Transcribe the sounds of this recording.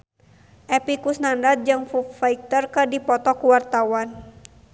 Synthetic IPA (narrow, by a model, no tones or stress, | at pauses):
ʔɛpikusnandat̪̚d͡ʒɨŋfufaik̚t̪ərkədipɔt̪ɔkuwart̪awan